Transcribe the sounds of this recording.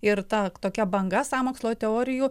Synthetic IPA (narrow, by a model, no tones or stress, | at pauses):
ɪɾt̪ɐt̪oːkʲɛbɐŋɡɐsɑːmoːkslˠoːt̪ʲɛoːɾʲɪjuː